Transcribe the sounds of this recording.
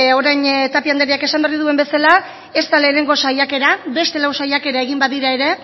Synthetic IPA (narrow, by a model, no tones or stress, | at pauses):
o̞ɾajɲt̪apiand̪eɾiake̞samberiðue̞mbe̞sala | e̞st̪ale̞ːne̞ŋɡo̞sajʎake̞ɾaβe̞st̪e̞lawsajake̞ɾae̞ɣimbaðiɾae̞ɾe̞